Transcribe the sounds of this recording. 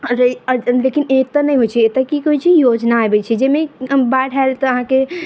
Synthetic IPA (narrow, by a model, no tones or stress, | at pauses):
ɾlekinet̪ənəjɦojt͡ʃʰɛet̪əkikɦoit͡ʃʰijod͡ʒnajbɛt͡ʃʰɛd͡ʒemebaʈʰalt̪ɔəɦãke